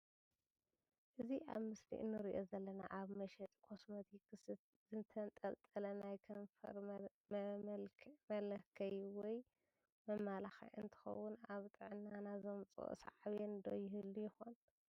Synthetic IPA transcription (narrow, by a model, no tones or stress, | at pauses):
ʔɨziʔa̰βmɨslḭʔɨ̰nːɨɾiʔo̞zɐlːɐnaʔaβmɐʃɛt̪ʼkʰo̞smot̪ʰikʰɨs | zɨnt̪ʰɐnt̪ʼɐlt̪ʼɐlɐnajkʰɐnfɐ̰ɾ | mɐlɐkʰɐjwɔj | mɐmːalaxḭʕɨnt̪ʰɨ̥xɐ̰wːʊnaβt̪ʼɨʕɨnːanazomt͡sʼo̰ʔsa̰ʕaβend̪ojːɪhɨlːujɪxon